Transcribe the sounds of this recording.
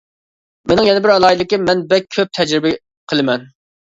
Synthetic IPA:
menɪŋjɛnɪbɪɾɛlˠɑːilɪkʲimɛnbɛk̚ʲʰøp̚t̪ʰɛd͡ʒɾɪbɪ | qʰəlˠɨmɛn

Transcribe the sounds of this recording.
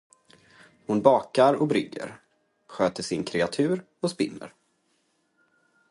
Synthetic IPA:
hʊnbɑːkaɾɔbɾʏɡːə̰ɾ | ɧøːt̪əʂɪnkʰɾɛat̪ʰʉ̟ːɾ | ɔspɪ̰nːə̰ɾ

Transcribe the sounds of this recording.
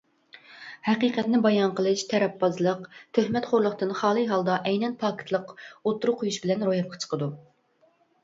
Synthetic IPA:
hɛqiqɛt̪nɪbɑjɑnqəlˠɨʃt̪ʰɛɾɛpːɑzlˠəqt̪ʰøhmɛt̪χoɾlˠəχt̪ɨnχɑːlˠɨɦɑlˠd̪ɑʔɛjnɛnpʰɑːkʰt̪ʰlˠəqot̪ːuɾuqʰojuʃbɪlɛnɾojɑp̚qʰɑ̥t͡ʃʰə̥qʰəd̪u

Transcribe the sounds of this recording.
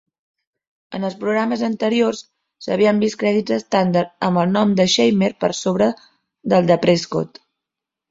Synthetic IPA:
ənəlˠspɾuɣɾaməzənt̪əɾiors | sə̰β̞iəmbiskɾɛðid͡zəst̪and̪əɾt̪əmbəlˠnɔmd̪əʃejmeɾpə̰ɾsoβɾə | ðəlˠd̪əpɾesko̰t̪

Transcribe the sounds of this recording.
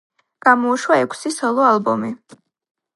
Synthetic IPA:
ɡ̥amɔuʃwaɛkʷʰsisɔlˠɔalˠbɔmi

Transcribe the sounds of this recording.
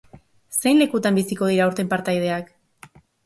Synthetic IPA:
se̞jnle̞kut̪ambisiko̞ð̞iɾauɾt̪e̞mpaɾt̪ajð̞e̞ak

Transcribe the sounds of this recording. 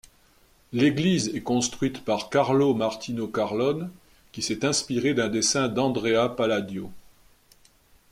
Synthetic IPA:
leɡlizɛkɔ̃st̪χɥit̪paʁkaʁlomaʁt̪inokaʁlɔn | kʲisɛt̪ɛ̃spiʁed̪ɛ̃d̪esɛ̃d̪ɑ̃d̪ʁeapalad̪jo

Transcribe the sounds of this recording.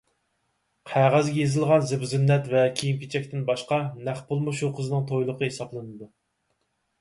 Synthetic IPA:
qʰæʁæzɡʲɛjezɨlˠʁɑnzɪbzynːɛt̪vɛkʲʰijimkʲʰit͡ʃʰɛk̚ʲt̪ɪnbɑʃqɑnæχpulˠmɨʃuqʰəzɨnɨŋt̪ʰojlˠəqʰəɦesɑblˠɨnɨd̪u

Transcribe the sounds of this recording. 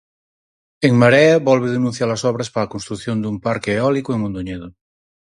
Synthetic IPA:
eŋmaɾɛaβɔlβeðenũn̟θjaɾlasɔβ̞ɾaspaakonst̪ɾukθjond̪umpaɾkeːɔlikoeŋmõnd̪oɲeðo

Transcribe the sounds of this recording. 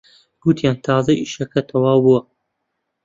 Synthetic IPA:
b̥uːt̪ʰijaːnt̪ʰɑːzɐʔiːʃɐkɐt̪ʰɐwaːwbuwɐ

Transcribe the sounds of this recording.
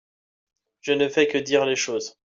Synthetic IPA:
ʒ̥ənəfɛkəd̪iʁleʃoːz

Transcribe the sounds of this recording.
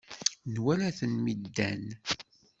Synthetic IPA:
nwælæθənmid̪ːæn

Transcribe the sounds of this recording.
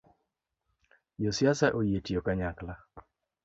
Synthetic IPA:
josjasaʔojetijokaɲakla

